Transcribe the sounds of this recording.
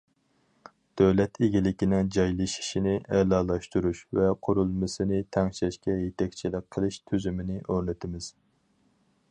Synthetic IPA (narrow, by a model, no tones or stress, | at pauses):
d̪̥øwlɛt̪ʰeɡʲilɪkʲinɪŋd͡ʒɑjlˠɨʃi̥ʃinɪʔɛlɑːlˠɑʃt̪uɾuʃvɛqʰʊɾulˠmɨsɨnɪt̪ʰɛŋʃɛʃkʲɛjet̪ʰɛkʲt͡ʃʰilɪk̚ʲqʰːəlˠɨʃt̪ʰøzymɪnɪʔoɾnɨt̪ʰɪmɪz̥